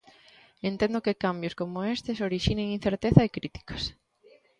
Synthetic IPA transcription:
ent̪ẽnd̪ʊkekambjoskomʊest̪ɪsoɾiʃineŋin̟θeɾt̪eθɐekɾit̪i̥kɐ̥s

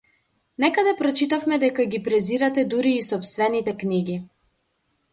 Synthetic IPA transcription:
nɛkad̪ɛpɾɔt͡ʃit̪afmɛd̪ɛkaɡipɾɛziɾat̪ɛd̪uɾiːsɔpst̪vɛnit̪ɛkniɡi

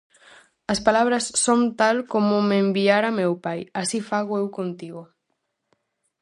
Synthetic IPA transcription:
ɐspalaβ̞ɾɐsːont̪alkomʊmembiaɾamewpajasifaɣoewkont̪iɣʊ

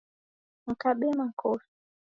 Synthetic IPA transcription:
ŋ̩kaɓɛmaŋ̩kʰɔfi̥

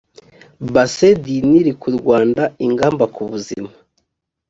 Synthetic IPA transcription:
basediniɾikuɾɡwaːndaiŋɡaːmbakuβuzḭmḁ

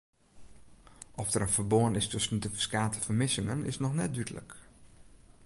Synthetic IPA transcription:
ʔɔfdərənfərboənɪstɵsəndəfə̥skaːtəfərmɪsɪŋənɪ̰snɔxnɛt̚dydələ̰k

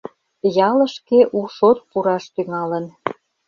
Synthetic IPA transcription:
jɑlə̆ʃkeʔuʃot̪̚puɾɑʃt̪yŋɑlən

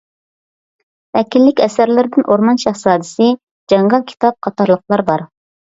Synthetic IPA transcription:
ɛkʲilːɪkʲɛsæɾlɪɾɪd̪ɪnʔoɾmɑnʃɑχsɑːd̪ɪsɪ | d͡ʒɑŋʁɑnkʲʰi̥t̪ɑp̚qʰɑt̪ɑɾlˠəqlˠɑɾbɑɾ

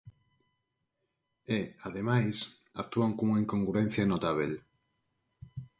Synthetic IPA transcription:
eaðemajs | ak̚t̪uaŋkomoiŋkoŋɡɾuɾen̟θjanot̪aβ̞el

